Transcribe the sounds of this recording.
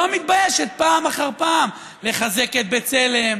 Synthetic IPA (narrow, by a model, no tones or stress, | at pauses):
oamit̪̚bajeʃet̪̚paːmaχaʁpaːm | le̞χazeket̪̚bet͡se̞le̞m